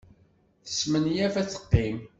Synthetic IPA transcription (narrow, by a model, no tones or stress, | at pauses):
θə̥smənjævæt͡sːə̥qːim